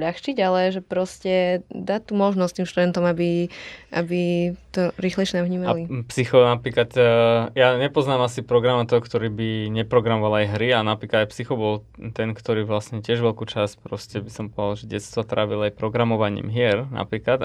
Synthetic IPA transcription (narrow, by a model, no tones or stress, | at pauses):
ʎaxt͡ʃiɟalɛʒɛpɾɔscɛd̪aːt̪umɔʒnɔst̪iːmʃt̪ud̪ɛnt̪ɔmabiʔa̰bit̪ɔɾiːxlɛʃɛnaɦɲiːmaalipsixɔnapɾiːkat̪jaɲɛpɔznaːmasipɾɔɡɾamat̪ɔɦɔkt̪ɔɾiːbiɲɛpɾɔɡɾamɔʋalajɦɾianapɾiːkad̪ajpsixɔbɔl | t̪ɛnkt̪ɔɾiːʋlasɲɛcɪɛʒʋɛʎkuːt͡ʃaspɾɔscɛbisɔmpɔalʒɛɟɛ̰t̪st̪ʋɔt̪ɾʔa̰ːʋilajpɾɔɡɾamɔʋaɲḭːmɦɪɛɾna̰pɾiːklat̪